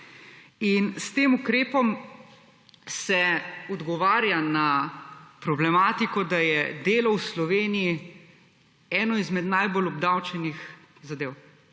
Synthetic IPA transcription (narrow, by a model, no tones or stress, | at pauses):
inst̪eːmukɾeːpɔm | sɛɔd̪ɡɔʋaːɾjana | pɾɔblɛmaːt̪ikɔd̪ajɛd̪eːlɔwslɔʋeːniji | ɛːnɔizmɛd̪najbolɔb̚d̪awt͡ʃɛnix | zad̪eːw